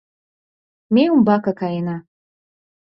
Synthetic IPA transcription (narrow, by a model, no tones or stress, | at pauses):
mʲejumbakakʰajina